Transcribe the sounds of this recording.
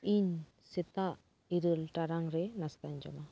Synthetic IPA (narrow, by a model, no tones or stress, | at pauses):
iɲ | sɛt̪aʔ | iɾəlʈaɾaŋɾɛnast̪aɲd͡ʒɔ̰ma